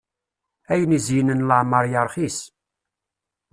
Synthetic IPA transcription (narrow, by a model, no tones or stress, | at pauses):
æjənizjənənləʕməɾˤjəɾˤχis